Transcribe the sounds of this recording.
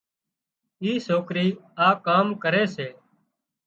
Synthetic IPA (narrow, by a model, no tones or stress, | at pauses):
iːsoːkɾiːaːkaːmkəɾeːseː